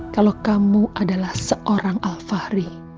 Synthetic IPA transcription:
kalokamuʔadalahsəʔoɾaŋʔalfahɾi

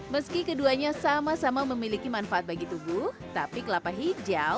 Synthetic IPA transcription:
məskikəduaɲasamasamaməmilikimanfaat̪̚baɡit̪ubʊht̪apikəlapaɦid͡ʒal

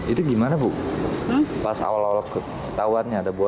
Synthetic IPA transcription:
it̪uɡimanabʊk̚ | pasa̰walawalk | kə̥t̪awanɲaːdabua

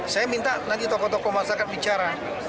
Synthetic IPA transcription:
sajamint̪anant̪it̪ɔkɔt̪ɔkɔmasakat̪̚bit͡ʃaɾa

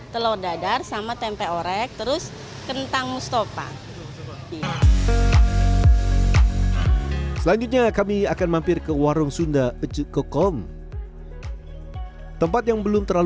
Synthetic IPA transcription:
t̪əlɔdadarsamat̪ɛmpɛoɾɛk̚t̪əɾʊs | kənt̪aŋmust̪opa̰ | ia | səlaɲd͡ʒut̪̬̚ɲakamiakanmampɪrkəwaɾʊŋsundaət͡ʃəkəkɔm | t̪əmpat̪̚jaŋbəlʊmt̪ərlal

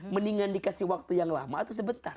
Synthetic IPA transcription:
məniŋandikasihwak̚t̪ujaŋla̰maːt̪us̬əbənt̪ar

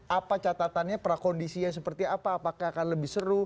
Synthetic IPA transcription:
apat͡ʃat̪at̪anɲapəɾakondisijas̬əpərt̪iapaːpakaakanləbɪsəɾu

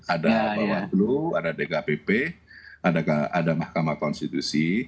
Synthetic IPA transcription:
adaawakluadadekapepeadakaadamahkamakɔnst̪it̪usi

